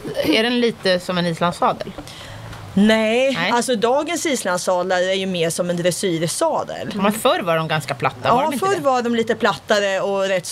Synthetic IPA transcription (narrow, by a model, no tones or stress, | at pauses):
æɖɛnliːt̪əsɔmɛniːslansɑːd̪əl | nɛalsɔd̪ɑːɡənsiːslansɑːd̪laɾəæɾjɵmeːʂɔmɛnd̪ɾɛsyːɾsɑːd̪ə̰lmɛnfœɾvaɾɖɔmɡanskapʰlat̪ːaɑːɪfœɾːvaɖɔmliːt̪əpʰlat̪ːaɾəɔɾɛt̪ː